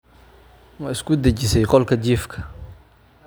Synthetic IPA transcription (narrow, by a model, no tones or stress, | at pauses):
mɐɪskʰʊd̪ɛt͡ʃɪsɛjqɔlkʰɐt͡ʃiːfkʰɐ̥